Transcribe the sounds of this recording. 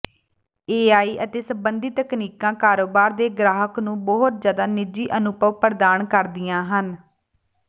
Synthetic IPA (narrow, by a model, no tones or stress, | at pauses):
eːaːiːʔət̪eːsəmbənd̪iːt̪əkniːkãːkaːɾoːbaːɾd̪eːɡɾaːɦəknũːbɔːɦt̪zjaːd̪aːnɪd͡ʒiːʔənʊpəʋpəɾd̪aːnkəɾd̪ɪjãːɦən